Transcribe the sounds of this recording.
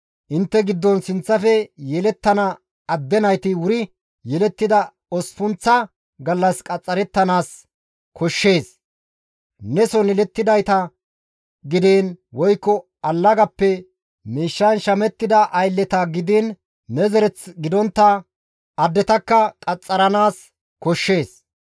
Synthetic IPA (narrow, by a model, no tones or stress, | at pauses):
ʔɪnt̪ːɛɡɪd̪ːɔnsɪnt͡sːɐfɛjɛlɛt̪ːɐnɐ | ɐd̪ːɛnɐjt̪ɪwʊɾɪ | jɛlɛt̪ːɪd̪ɐ | ɔsfʊnt͡sːɐ | ɡɐlːɐskʼɐt͡sʼːɐɾɛt̪ːɐnaːs | kʰɔʃːe̞ːs | nɛsɔnɛlɛt̪ːɪd̪ɐjt̪ɐ | ɡɪd̪eːnwɔjkːɔ | ɐlːɐɡɐpːɛ | miːʃːɐnʃɐmɛt̪ːɪd̪ɐʔɐjlːɛt̪ɐɡɪd̪eːnː | ɛzɛɾɛt͡sɡɪd̪ɔnt̪ːɐ | ɐd̪ːɛt̪ɐkːɐkʼɐt͡sʼːɐɾɐnaːs | kɔʃːe̞ːs